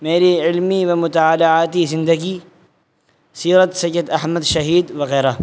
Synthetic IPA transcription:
meːliʕɪlmiwamʊt̪aʕaːlaʕaːt̪isɪnd̪aki | siːɾɑt̪sɐjːad̪ʔaħmad̪ʃaɦiːd̪wɪɣɛːɾa

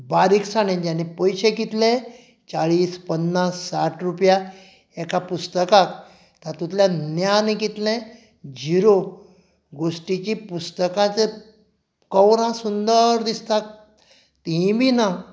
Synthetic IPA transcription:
baɾiksaɽ̃ẽd͡ʑanepojɕekit̪lẽ | t͡saɭiːspənːasːaʈʰɾupja | ɛkapust̪əkak | t̪at̪ut̪ljanjanikit̪lẽ | d͡ʑiɾo | ɡosʈit͡ɕipust̪əkãt͡se | kəwɾãsund̪əɾd̪ist̪ak̚ | t̪iĩbʱina

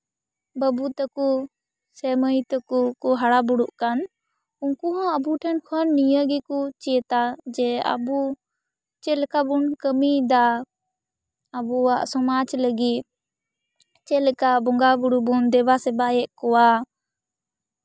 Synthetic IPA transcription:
bəbut̪əku | sɛməjt̪əkukɔɦaɽabuɽuʔkan | uŋkuɦãəbuʈʰɛnkʰənːijəɡikut͡ʃiət̪ad͡ʒɛa̰bu | t͡ʃɛlɛkabunkəmid̪a | əbuwaʔsɔmad͡ʒləɡit̪̚ | t͡ʃɛlɛkabɔŋɡabuɽubund̪ɛbasɛbajɛʔkɔwa

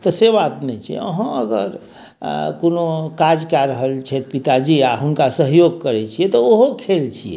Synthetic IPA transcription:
t̪ɔsebat̪nɛt͡ʃʰḭə̰ɦə̃əɡə̰ɾ | konokad͡ʒkaɾəɦəlt͡ʃʰɛt̪pit̪ad͡ʒiaɦunkasəɦjoɡkəɾɛt͡ʃʰijɛt̪ɔoɦokʰelt͡ʃʰijɛ̰

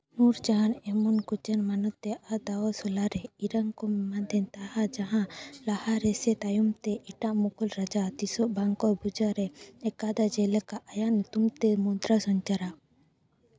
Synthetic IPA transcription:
muɾd͡ʒaanɛmɔnkut͡ʃanmanɔt̪ːɛʔad̪awɔsɔlaɾɛiɾaŋkɔmmand̪ʱɛnt̪ahad͡ʒaɦãlahaɾɛsɛt̪ajumt̪ɛʔɛʈaʔmɔkʰɔlɾad͡ʒat̪isɔʔbaŋkɔɾbud͡ʒaɾɛɛkad̪ad͡ʒɛlɛkaʔajant̪umt̪ɛmɔnt̪ɾasɔɲt͡ʃaɾa

